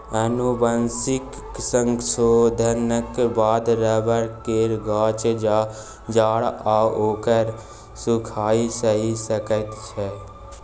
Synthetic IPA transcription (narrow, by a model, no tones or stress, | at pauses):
ənubənsɪk | səŋɡsoːd̪ʱənəkbaːd̪ɾəbəɾkeːɾɡaːt͡ʃd͡ʒaː | d͡ʒaːɽaːoːkəɾ | sʊkʰaːisəɦisəkət̪t͡ʃʰɛ